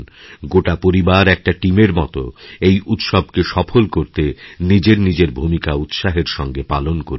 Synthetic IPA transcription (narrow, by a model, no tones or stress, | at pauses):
nɡoʈapoɾibaɾɛk̚ʈaʈimeɾmɔt̪o̰ejʔut̪ʃob̚ʱkeʃɔfʰolkoɾt̪enid͡ʑeɾnid͡ʑeɾbʱumikaut̪ʃaɦeɾʃɔŋɡepalonkoɾ